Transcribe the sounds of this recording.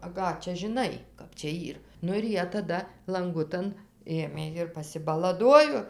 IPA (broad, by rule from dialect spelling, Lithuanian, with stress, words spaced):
ɐ ˈkɑː t͡ʃʲɛ ʒʲɪˈnɐɪ ˈkɐp t͡ʃʲɛ ˈiːr ˈnʊ ɪr ˈjiɛ tɐˈdɐ lˠɐŋˈɡʊtɐn ˈeːmʲeː ɪr pɐsʲɪbɐlˠɐˈduɔjoː